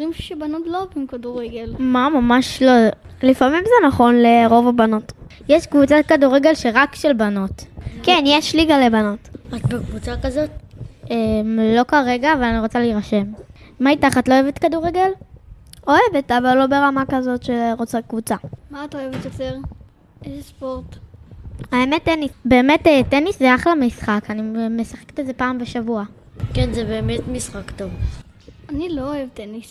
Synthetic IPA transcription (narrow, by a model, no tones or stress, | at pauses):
imʃu̥ʃebanotlovimkaduʁeɡelmamamaʃlo | lifamimzenaχo̞nleʁo̞vabano̞t | jeʃkvut͡sat̚kaduʁeɡe̞lʃeʁakʃelbano̞tkenjɛʃliɡalebano̞tatbekvut͡sakazo̞temlo̞kaʁe̞ɡaːvalaniʁo̞t͡saleiʁaʃemː | aitaχatloevetkaduʁeɡel | o̞evetavalːo̞be̞ʁamakazo̞tʃeʁot͡sakvut͡samaːtoevet̪joteʁ | ezespo̞ʁt | aemetːenisbe̞ːmeteteniszeaχlamisχakanime̞saχektezepaːmbeʃavua | kenzebe̞ːmetmisχakto̞v | anilooevtenis